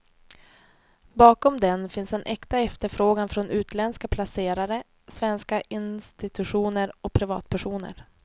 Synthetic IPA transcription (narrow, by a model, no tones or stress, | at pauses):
bɑːkɔmd̪ɛnfɪnsɛnʔɛkt̪aɛft̪əɾfɾoːɡanfɾɔnʉ̟ːt̪ʰlɛnskapʰlaseːɾaɾə | svɛnskaʔɪnst̪ɪt̪ɵɧuːnəɾɔpʰɾɪvɑ̰ːt̪pʰæʂuːnə̰ɾ